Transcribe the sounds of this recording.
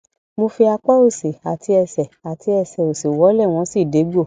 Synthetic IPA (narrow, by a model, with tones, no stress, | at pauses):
mo˧fi˧a˧k͡pa˦o˦˨si˨a˨tʰi˧ɛ˧sɛ˨a˨ti˧ɛ˧sɛ˨o˨si˨wɔ˨˦lɛ˦˨w̃ɔ̃˧˦si˦˨de˨˦ɡ͡bo˦˨